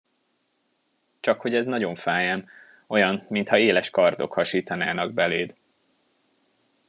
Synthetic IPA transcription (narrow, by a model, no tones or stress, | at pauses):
t͡ʃɒkho̞ɟɛznɒɟo̞ɱfaːjɛm | o̞jɒnmint̪hɒeːlɛʃkɒrd̪o̞̰khɒʃiːt̪ɒnaːnɒɡ̚bɛleːd̪